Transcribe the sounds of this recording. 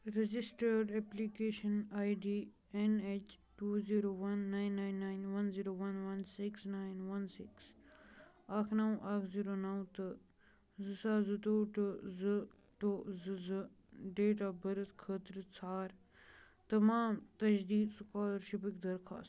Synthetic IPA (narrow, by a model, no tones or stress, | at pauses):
ɾɐd͡ʒisʈəɾɖeplikeːʃɐnaːjɖiː | enet͡ʃ | ʈuːziːɾoːʋɐnːaːjnːaːjnːajnʋɐnziːɾoːʋɐnʋɐnsiksnaːjnʋɐnsiks | aːkʰnɐw̃ʔakʰziːɾoːnɐwt̪ɨ | zɨsaːzɨt̪oːʈɨzɨ | ʈozɨzɨ | ɖeːʈ̬aːbɐɾət̪kʰəːt̪ɾt͡sʰaːɾ | t̪ɐmaːmt̪ɐʃd̪iːd̪sukaːlɾʃibikd̪ɐɾxʰa̰ːst̪